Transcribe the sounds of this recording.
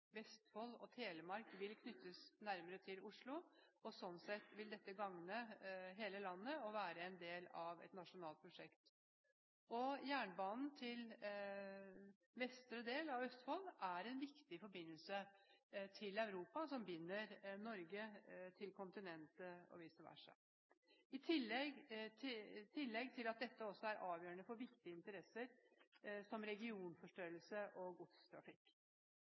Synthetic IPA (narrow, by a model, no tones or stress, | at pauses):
ʋɛst̪fɔlɔ̰t̪ʰeːləmɑɾkʋɪlkʰnʏt̪ʰːəsnæɾməɾət̪ʰɪlʊʂɭʊɔsɔnsɛt̪ːʋɪld̪ɛt̪ːəɡɑŋnəɦeːləlɑnːəɔʋæːɾəɛnd̪eːlɑʋɛ̰t̪nɑʂʊnɑːlt̪pʰɾʊʂɛkt̪ | ɔjæːɳbɑːnn̩t̪ʰɪl | ʋɛst̪ɾəd̪eːlɑʋœst̪fɔlːæɾɛnʋɪkt̪ɪfɔɾbɪnːəlsə | t̪ʰɪlɑʉɾuːpɑsɔmbɪnːəɾnɔɾɡət̪ʰɪlkʰʊnt̪ɪnɛnt̪əɔ̰ʋiːsəʋæ̰ʂæ̰ | ɪt̪ʰɪlɛɡ | t̪ʰɪlːɛɡt̪ʰɪlɑt̪̚d̪ɛt̪ːəɔsːɔæɾʔɑːʋjøːəɳəfɔɾʋɪkt̪ɪəɪnt̪əɾɛsːəɾ | sɔmɾɛɡɪuːnfɔʂʈøːɾəlsəʔɔɡʊt̪st̪ʰɾɑ̰fɪkː